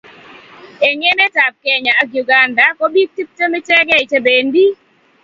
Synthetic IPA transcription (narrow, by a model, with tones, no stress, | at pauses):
e˨ɲe˦nɛ˦ta˨p̚kɛ˨ɲa˨a˨ɡju˨ɡa˨nda˨ko˦bi˦k̚ti˦p̚to˦mi˦t͡ʃɛ˦ɡɛ˦i˨t͡ʃe˦be˨ndi˦